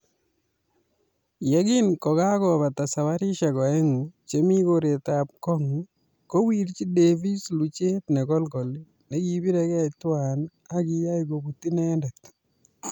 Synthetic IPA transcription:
jaɡɪnkɔ˨ka˦kɔ˨βa˨ta˨sa˨wa˦ɾi˦ʃa˨kɔ˨ɛ˦ŋ˨t͡ʃe˦mi˦koɾe˨tap̚kɔ˦ŋ | ko˦wiɾt͡ʃi˦devi˦slu˨t͡ʃe˦tnɛ˨kɔ˦lkɔ˨li | ne˦ki˨bi˦ɾɛ˦kɛ˦twan | a˦ki˦ja˦iɡo˨ɡu˨ti˦nɛ˦ndɛ˨t̪

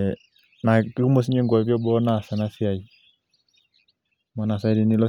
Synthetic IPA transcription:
na˨ki˦ku˦mɔ˦s̬i˦ɲɛ˦ŋɡwa˨βjɔ˦bɔ˦na˦˨sɛ˨na˦si˦a˨i | mɔ˨na˨sa˦ɾi˨ni˦lɔ˦

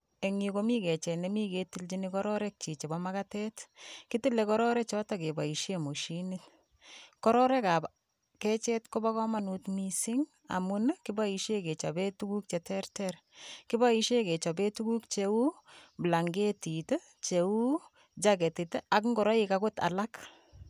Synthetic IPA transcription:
e˨ŋiko˨mi˦kɛ˨t͡ʃɛ˨ne˦mi˦ke˨ti˦lt͡ʃi˦ni˦kɔ˦ɾɔ˦ɾɛ˦k̚t͡ʃi˨t͡ʃe˨bɔ˦ma˦katɛtki˦ti˦le˨kɔɾɔ˦ɾɛt͡ʃɔ˦take˨ba˨i˨ʃemo˨ʃinit | kɔ˦ɾɔ˦ɾɛ˦ka˨p | kɛ˦t͡ʃɛ˦tko˦ba˦kɔ˦ma˦nu˨tmisi˦ŋ | a̰˨mu˦nki˦ba˦i˧ʃe˦ke˨t͡ʃɔ˨be˦tu˦ku˦k̚t͡ʃe˨tɛ˦rtɛɾ | ki˦ba˦iʃe˦ke˨t͡ʃɔ˨be˦tu˦ku˦k̚t͡ʃeu˦bla˨ŋɡe˦tite˦ | t͡ʃe˨u˦ | d͡ʒake˨ti˨te˦a˨kŋɡɔ˨ɾɔ˦ika˦ko˦ta̰˨la˦k

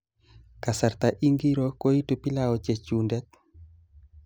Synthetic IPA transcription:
ka˨sa˨ɾt̪a˨ʔi˦ŋɡi˦ɾo˦ko˦i˦tu˨pi˦la˦ɔ˨t͡ʃe˨t͡ʃu˨ndɛ˦t̪̚

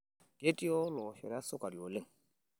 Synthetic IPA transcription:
ɡ̥e˦tʼi˦ɔ˦lɔ˨ʃɔ̰˨ɾa˦sʊ˦kʼa˨di˨o˨le˦ŋ

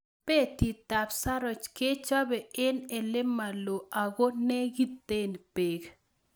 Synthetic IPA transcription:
pe˦ti˨t̪a˨psa˦ɾɔ˨t͡ʃke˦t͡ʃa˦bɛ˨ɪ˦nɛ˨lɪ˦mːa˨lo˨ʔa˨ɡo˦ne˦ɡi˦t̪ːe˦˨n˨pe˨ɡ

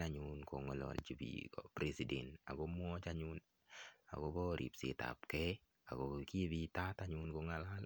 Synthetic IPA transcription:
aɲunkɔ˨ŋɔ˨lɔ̰lt͡ʃi˨bḭkɔ̰pɾe˨si˨de˨nta̰˨ɡɔm˦ɔ˦t͡ʃaɲun | a̰˨ɡɔbɔ˦ɾḭ˨psḭta̰pkɛ˦ | a̰˨ɡɔ˨ki˦bi˦ta˦taɲunkoŋala˦l

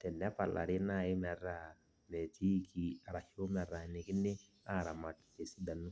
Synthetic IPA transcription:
tɛ˨ndɛ˦a˦pa˨lʔa̰˨ɾɪ˦na˦˨ɪ˦mɛ˨ra˨ | mɛ˨ti˦˨kʰi˨a˨ɾa˨ʃo˦mɛ˨ra˨nɪ˦kɪ˦nːɪ˦ | a˦˨ɾa˨ma˨kte˨si˦da˨nːu˦

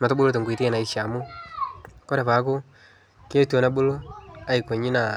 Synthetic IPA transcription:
ma˨to˦bu˦lo˦t̬e˨ŋɡi˨ti˦e˨na˨i˦ʃa˨mʊ˦ | ko˦ɾe˨pa˨˦kʊ˦ | ke˦to˨na˦bo˦lo˦a˦i˨ko˨ɲi˦na˨

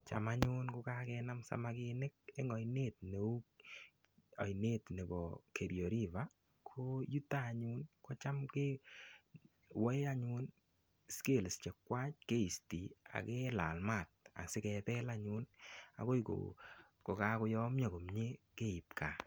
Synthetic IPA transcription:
t͡ʃa̰˨ma˦ɲʊ˦nko˧ka˦kɛna˦msa̰˨ma˦kɪnɪ˦k̚e˦ŋɔ˨jne˦t̚ne˨u˦k | ɔ̰˨jne˦tne˨bɔ˨ke˨ɾjo˨ɾi˦va˨ | kʰo˦ju˦taː˦˨ɲʊ˦nkɔ˦t͡ʃa˦mke˦ | wɔ˦a˦ɲʊ˦n | ske˦˨lst͡ʃe˨kwa˦t͡ʃke˦i˨sti˨a̰˨kɛ˦la˨lma˨t̚a̰˨sɪ˦kɛ˨pɛ˦la˦ɲʊ˦na̰˨ko˦iko̰ | ko˨ka˦kʊ˧jɔ˦mɲɔ˨ko˨mɲe˦ke˦i˨pkʰa̰˨

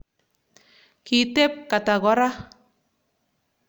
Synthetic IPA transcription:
ki˨te˦p̚ka˨ta˨ɣɔ˨˦ɾa˦

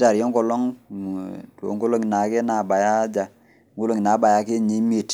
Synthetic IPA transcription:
ta˨ɾjɔ˦ŋkɔ˨lɔ˦ŋ˨ | to̰˨ŋɡo˦lo˦ŋi˨na˨ke˦na˨ba˨ja˦d͡ʒa˨ | ŋɡo˦lo˦ŋi˨na˨˦ba˨ja˦ke˦ɲe˨˦mi˦e˨t

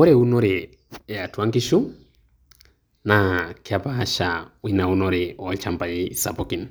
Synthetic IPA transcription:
ɔ˦ɾeu˦nɔ˦ɾɛ | ɛ˨a˨twa˦ŋki˦ʃu˦ | nakia˨paa˦ʃawi˦na˨u˦nɔ˦ɾɛɔt͡ʃampa˨jisa̰˨pɔki˨n

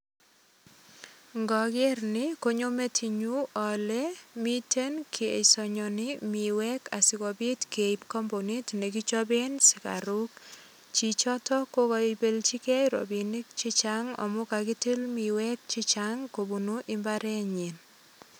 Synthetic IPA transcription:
ŋɡɔ˨ɡe˦rnɪ˦ko˦ɲo˦me˦tʰi˨ɲu˦ɔ˨lɛ˦mi˦tʰe˦nkʰi˨ḛ˨sɔ˨ɲɔnɪmi˨wɛ˦ka˨sɪ˨kɔ˨bi˦tke˨ipkɔ˦mbo˨ni˦tne˨ki˦t͡ʃɔ˦be˦nsɪ̥˨ka̰˨ɾu˦k̚ | t͡ʃi˨t͡ʃɔ˦tɔ˦ko˦kɔ˦be˦lt͡ʃi˦kɛ˦ɾo̰˨bi˨ni˦k̚t͡ʃɪ˦t͡ʃaŋɔ̰˨mʊ˦ka˨ki˦ti˦lmi˨wɛ˦k̚t͡ʃi˦t͡ʃaŋko˨bu˨nu˦ʔɪ˦mbaɾɛ˦ɲi˨n

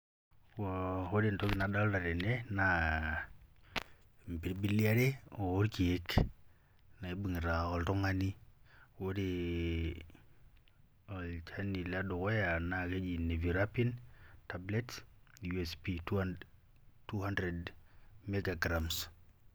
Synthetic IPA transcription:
wɔho˦de˨ntɔ˦ki˦nada˦lda˨ɾɛ˨nɛna˨ | mpi˨ɾbi˦lia˦ɾe˦oː˨˦ɾki˨ek | na˨i˨˦bi˨ŋi˨ɾa˨ɔ˨ltɔ˦ŋa˦ni˦wo˦de | ɔ˨lt͡ʃa˦ni˨la˦do˨kɔ˦ja˨na˨ke˦d͡ʒi˨ne˨vi˨ɾapi˦ntablɛ˦tjuɛspit | tuha˦ndɾɛdmeɡa˨ɡɾams

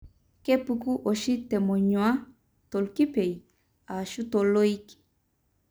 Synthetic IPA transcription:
ke˦puku˦ʔo˨ʃi˦t̪e˨mo˨ɲwa˦ | t̪o˨lki˦pe˨j | a˨ʃu˦t̪olo˦i˦k

